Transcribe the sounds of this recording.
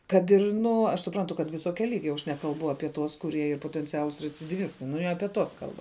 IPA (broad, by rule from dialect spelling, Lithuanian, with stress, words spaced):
ˈkɐt ɪr ˈnʊ ɐʃ sʊˈprɐntʊ kɐt ʋʲɪˈsoːkʲɛ ˈlʲiːɡʲɛ jɛʊ ɐʃ ˈnʲæːkɐlˠbʊ ˈɑːpʲiɛ tuɔs kʊˈrʲiɛ ˈiːr poːtʲɛnʲˈt͡sʲæːlˠʊs rʲɛt͡sʲɪdʲiːˈʋʲɪstɐɪ nʊ ɪ ˈɑːpʲiɛ tuɔs ˈkɐlˠbɐ